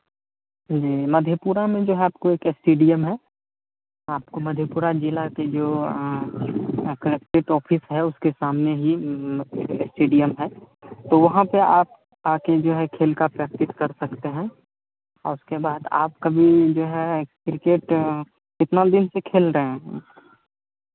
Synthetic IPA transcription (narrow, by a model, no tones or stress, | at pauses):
d͡ʒiːmɐd̪ʱjəpuːɾamẽd͡ʒoːɦɛaːp̚koeːkesʈeːɖijəmɦɛː | aːpkomɐd̪ʱjəpuːɾad͡ʒɪlaked͡ʒoː | kəɾekʈeʈɔːpʰɪsɦɛʊskesaːmneɦi | esʈeːɖijəmɦɛː | t̪oʋɐɦãpeaːp̚ | aːked͡ʒoːɦɛkʰeːlkapɾək̚t̪ɪskɐɾsɐkt̪eɦɛ̃ | ɔ̰ːɾʊskebaːd̪a̰ːp̚kabʱid͡ʒoːɦɛkɾɪkeːʈ | kɪt̪nad̪ɪnsekʰeːlɾəɦẽɦɛ̃